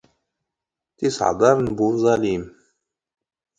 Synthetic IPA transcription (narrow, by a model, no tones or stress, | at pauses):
t̪isʕd̪ˤɑɾˤnbuzˤɑlim